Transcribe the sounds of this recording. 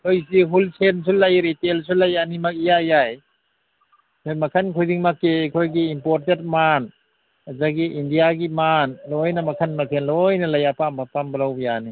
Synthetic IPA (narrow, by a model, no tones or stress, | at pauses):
kʰojsiɦulsʰens̬ulajɾitels̬ulajanimak̚ijajaj | kʰojmakʰankʰojdiŋmakːekʰojɡiːmpoɾtet̚man | azaɡiindijaɡimanlojnɐmakʰanmatʰenlojnɐlajapambʱapambɐlawbjani